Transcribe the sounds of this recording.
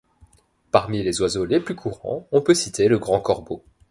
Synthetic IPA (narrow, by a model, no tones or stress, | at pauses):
paʁmilezwazoleplykʰuʁɑ̰̃ɔ̃pøsit̪ʰeləɡʁɑ̃kɔʁbo